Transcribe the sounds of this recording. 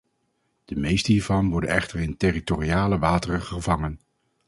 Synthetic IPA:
d̥əmejstəɦiːɹvɑnʋɔɹdə̰nɛχtərɪntɪritoriaːləʋaːtərəχəvɑŋən

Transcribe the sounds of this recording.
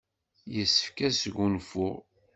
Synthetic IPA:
jəsːə̥fkæsəɡunfʊʁ

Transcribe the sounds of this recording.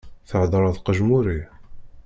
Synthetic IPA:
θəʕd̪ɾˤɑðqəʒmuɾi

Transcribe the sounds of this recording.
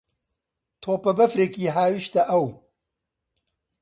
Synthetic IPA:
t̪ʰoːpɐbɐfɾeːkiːɦaːwiʃt̪ɐʔɐw

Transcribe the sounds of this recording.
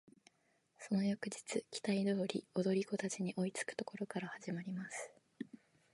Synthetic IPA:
so̞no̞jokɯ̟d͡ʑi̥t͡sɨkʲi̥t̪aid̪o̞ːɾʲḭo̞d̪o̞ɾʲiko̞t̪at͡ɕiɲ̟iʔo̞it͡sɨ̥kɯ̟̥t̪o̞̥ko̞ɾo̞kaɾahaʑimaɾʲimasɨ̥

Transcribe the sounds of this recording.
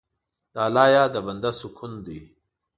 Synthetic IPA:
d̪̥aːlaːjaːd̪əbɐnd̪ɐsukʰund̪i

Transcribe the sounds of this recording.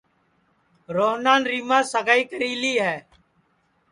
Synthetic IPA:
ɾoːɦnaːnɾiːmãːsəɡaːiːkəɾiːliːɦɛː

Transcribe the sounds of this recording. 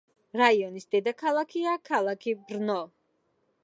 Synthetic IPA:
ɾaiɔnisd̪ɛd̪akʰalˠakʰiakʰalˠakʰibɾnɔ

